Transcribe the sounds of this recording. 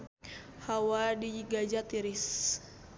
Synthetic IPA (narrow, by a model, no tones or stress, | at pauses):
hawadiɡad͡ʒat̪iɾis